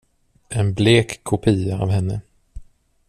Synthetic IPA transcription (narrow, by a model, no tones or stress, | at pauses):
ɛnbleːkʰːʊpʰiːaa̰vɦɛnːə